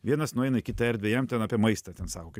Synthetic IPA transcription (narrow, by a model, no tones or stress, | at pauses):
ʋʲiɛnɐsnʊɛɪnɐɪkʲɪt̪ɐɛɾd̪ʲʋʲɛjɛmt̪ʲɛnɑːpʲiɛmɐɪst̪ɐt̪ʲɛnsɑːkoːkɐɪ